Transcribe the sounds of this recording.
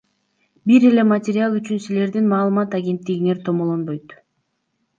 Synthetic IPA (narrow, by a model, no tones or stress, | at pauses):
biɾe̞le̞matʲɪɾʲɪalˠyt͡ʃynsile̞ɾd̪inmɑːlˠɯmɑt̪aɡʲe̞nt̪ːiɡine̞ɾt̪ʰo̞molˠo̞nbo̞jt̪